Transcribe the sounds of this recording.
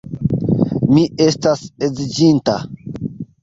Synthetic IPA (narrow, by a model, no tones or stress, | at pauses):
miʔestased͡zid͡ʒinta̰